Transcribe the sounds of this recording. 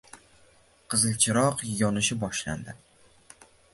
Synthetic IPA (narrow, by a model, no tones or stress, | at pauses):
qʰɨzɨlt͡ʃʰɪɾɒqjɒnɪʃɪbɒʃla̰nd̪ɪ